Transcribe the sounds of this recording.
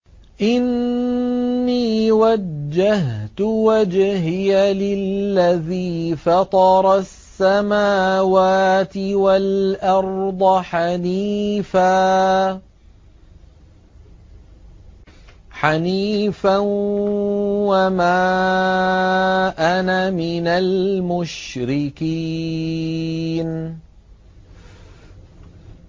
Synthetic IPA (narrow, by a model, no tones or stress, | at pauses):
ʔɪnː | iːwad͡ʒːaɦt̪ʊwad͡ʒhɪjalɪlːaðiːfɑt̪ˤɑɾˤɑsːamaːwaːt̪ɪwalʔɑɾˤd̪ˤɑħaniːfaː | ħaniːfan | wamaː | ʔanamɪnalmʊʃɾɪkiː | n